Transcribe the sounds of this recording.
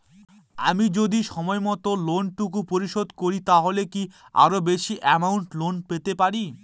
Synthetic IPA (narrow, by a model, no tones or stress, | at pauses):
amid͡ʑod̪iʃɔmɔemɔt̪olonʈuk̬upoɾiʃod̪koɾit̪aɦolekia̰ɾobeʃiʔɛmawɳʈlonpet̪epaɾi